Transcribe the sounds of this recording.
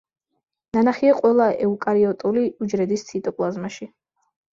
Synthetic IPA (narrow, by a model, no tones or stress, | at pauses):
nanaχiaqʼwɛlˠaɛukʼaɾiɔt̪ʼuliud͡ʒɾɛd̪ist̪sʰit̪ʼɔpʼlˠazmaʃi